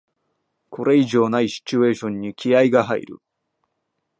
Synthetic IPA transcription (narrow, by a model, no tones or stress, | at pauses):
kʰo̞ɾʔe̞iʑo̞ːnaiɕi̥t͡ɕɨe̞ːɕõ̞ɲ̟ːikʲiaiɡaɦaḭɾɯ̰